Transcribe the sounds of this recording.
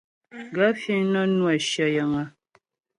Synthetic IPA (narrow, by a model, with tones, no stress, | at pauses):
ɡa˦fi˦ŋnə˦nwa˨ʃjə˨jə˨ŋə˨